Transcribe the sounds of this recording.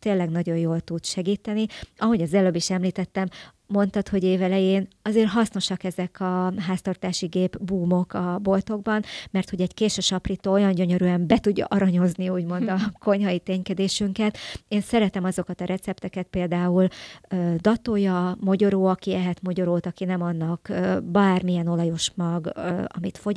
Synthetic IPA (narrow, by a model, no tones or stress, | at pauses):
t̪eːlːɛɡn̪ɒɟo̞joːlt̪ut̪ʃɛɡiːt̪ɛniɒɦo̞ɟɒzɛløbiʃɛmliːt̪ɛt̪ːɛmː | o̞nt̪ɒt̪ho̞ɟeːvɛlɛjeːn | ɒzeːrɦɒsno̞ʃɒkɛzɛkʰɒɦaːst̪ɒrt̪aːʃiɡeːbbuːmo̞kɒbo̞lt̪o̞ɡ̚bɒnmɛrt̪ho̞ɟɛɟkeːʃøʃɒprit̪oːo̞jɒɲɟø̞ɲø̞ɾyɛmbɛt̪uɟːɒ̰ʔɒɾɒɲo̞zniuːɟmo̞nd̪ɒko̞ɲɦɒit̪eːɲkɛd̪eːʃyŋkɛt̪eːnsɛɾɛt̪ɛmɒzo̞kɒt̪ɒɾʔɛt̪sɛpt̪ɛkɛt̪̚peːld̪aːuløːd̪ɒt̪ojɒmoɟo̞ɾoːɒkiɛɦɛt̪mo̞ɟo̞ɾoːt̪ɒkinɛmɒnːɒkøbaːrmijɛno̞lɒjo̞ʃmɒɡɒ̰mit̪fo̞